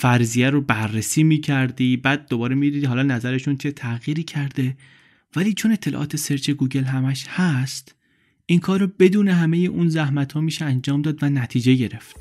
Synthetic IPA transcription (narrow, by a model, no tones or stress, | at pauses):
fæɾzijæɾobærːesiːmiːcʰæɾd̪iːbæːd̪̚ːobɒːɾemid̪iːd̪hɒːlɒːnæzæɾe̞ʃunt͡ʃʰe̞t̪ʰæɣiːɾiːcʰæɾd̪e̞ | væliːt͡ʃʰone̞t̪ʰːelɒ̰ʔɒ̰ːt̪ʰe̞seɾt͡ʃʰe̞ɡuːɟe̞lɦæmæʃhæst̪ | ʔinkʰɒːɾɔbe̞d̪uːneɦæme̞jeʔunzæhmæt̪hɒːmiːʃeænd͡ʒɒːmd̪ɒːd̪vænæt̪ʰiːd͡ʒe̞ɟe̞ɾe̞ft̪